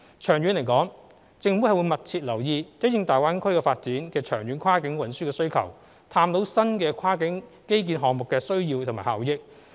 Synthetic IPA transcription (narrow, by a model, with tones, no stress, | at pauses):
t͡ʃʰœː˨˩ŋɥyː˨˧nle˨˩jkɔː˨˥ŋ | t͡sɪ˨˧ŋfu˨˥hɐ˨jwu˨˧jmɐ˨t̚t͡sʰiː˧t̚lɐ˨˩wjiː˨˧t͡sɐ˨˥jɪ˧ŋt̪aː˨jwaː˨˥nkʰɵ˥jkɛː˧faː˧t̚t͡siː˨˥nkɛː˧t͡ʃʰœː˨˩ŋɥyː˨˧˥nkʰaː˥kɪ˨˥ŋwɐ˨˧nsyː˥kɛː˧sɵ˥ɥkʰɐ̰˨˩w | t̪ʰaː˧mt̪o˨˥wsɐ˥nkɛː˧kʰaː˥kɪ˨˥ŋke˥jk̬iː˨˥nɦɔː˨ŋmʊ˨kːɛː˧sɵ˥ɥjiː˧wt̪ʰmaː˨˩haː˨˧wjɪ˥k̚